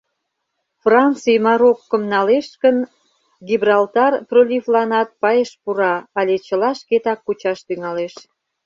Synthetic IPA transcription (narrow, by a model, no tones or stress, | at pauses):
frɑnt͡sijmɑɾokːəmnɑleʃkən | ɡibrɑlt̪ɑrprolʲiflɑnɑt̪̚pɑjəʃpuɾɑɑlʲet͡ɕəlɑʃket̪ɑkːut͡ɕɑʃt̪yŋɑleʃ